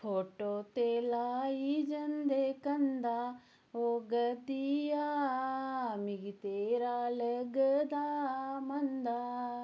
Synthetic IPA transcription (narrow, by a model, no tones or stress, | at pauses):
fʰoːʈot̪elaːid͡ʒɐnd̪ekɐ̃nd̪aː | oɡɐd̪ija | mɪɡt̪eːɾalɐɡəd̪amɐnd̪aː